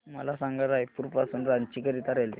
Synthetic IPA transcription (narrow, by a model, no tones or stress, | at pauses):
məlasaŋɡaɾajpuɾpasuːnɾant͡ɕikəɾit̪aɾale